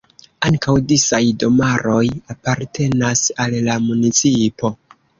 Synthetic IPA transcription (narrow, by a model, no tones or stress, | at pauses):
aŋkawdisajdo̞maɾo̞japaɾtʰe̞nasalːamunit͡sipo̞